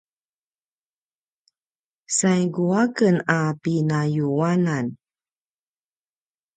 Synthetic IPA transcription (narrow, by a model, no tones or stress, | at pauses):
sajɡuakənapinajuanan